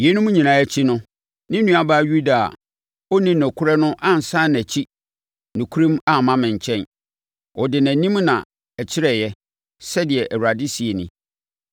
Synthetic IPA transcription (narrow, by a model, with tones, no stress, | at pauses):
je˦nʊ̃˦mũ˦ɲĩ˨nã˨ɛ˦t͡ɕʰi˦nʊ̃˦ | nɪ̃˦nũ˦a˦˨baː˦ju˦da̰˨ | ɔ˦nĩ˦nɔ̃˨kʰʊ˦ɾɛ˦nʊ̃˦ʔã˦˨n̩˨sa˦n˨æ˨t͡ɕʰi˦ | nʊ̃˨kʰu˦ɾĩ˦ma˦mã˦mɪ̃˨ɲ̩˨t͡ɕʰɛ̃˦n | ɔ˨dɪ˨næ̃˨nĩ˦mnã̰˨ | ɛ˨t͡ɕʰɪ˦ɾɛ˦˨jɛ˦ | sɛ˦dɪ˨ɛ˨ʔæ˨wu˨ɾa˨dɪ˦si˨e˨nɪ̰̃˦